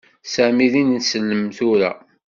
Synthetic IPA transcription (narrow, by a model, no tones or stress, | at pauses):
sæmiðinnsəlːəmθʊɾæ̰